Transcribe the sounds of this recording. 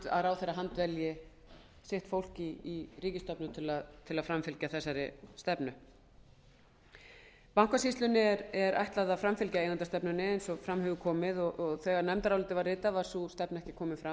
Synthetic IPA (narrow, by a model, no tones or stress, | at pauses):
a̰ðɾaːwθejraɦant̪vɛljɪ | sɪht̪fowl̥ciːriːcɪst̪ɔpnʏt̪ʰɪlaðt̪ʰɪlaðfɾamfɪlcaθɛsːaɾɪst̪ɛpnʏ | paŋ̥kvasist̪lʏnɪɛɾɛɾʔa̰jht̪laðafɾamfɪlcaejnant̪ast̪ɛpnʏnɪejnsɔfɾamhʏvʏkʰɔːmɪðɔʔɔɣθɛːɣaɾnɛmt̪aɾawlɪːt̪ɪvarːɪːt̪avaɾ̥sust̪ɛpnɛhcɪ̥kʰɔːmɪfɾa